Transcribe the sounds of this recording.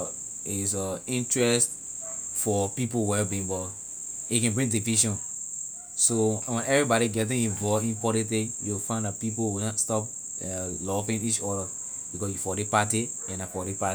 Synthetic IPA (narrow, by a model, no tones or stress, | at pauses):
is̬ɔĩntɹɛst | fɔpipowɛbĩŋbɔ | ikɛ̃nbɹĩŋdiviʃɔ̃n | sowɛ̃nɛvɹibɔɾiɡɛt̬ĩŋĩnvɔvĩmpɔtɛ̃tijufãɪ̃nlatpip̬owĩstɔp | lɔvĩnit͡ʃɔɾə | b̥ikɔsjufɔdepati | ɛ̃nafɔdipa